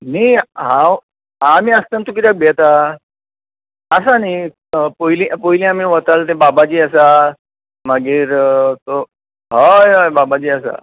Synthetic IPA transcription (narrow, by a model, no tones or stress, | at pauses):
niɦã | ɦãmiəst̪ant̪uk̬it̪jak̚bʱet̪a | sani | poilĩpoɦilĩamĩʋət̪alt̪ebabat͡ɕiːasa | maɡiːɾt̪o | ɦəjɦəjbabad͡ʑiːəsa̰